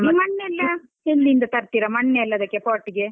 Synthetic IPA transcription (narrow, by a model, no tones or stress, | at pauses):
imɐɳːeɛlːɐ | helːind̪ɐt̪ɐɾt̪iɾɐmɐɳːeːlːɐɐd̪ɐkːepaːʈːiɡe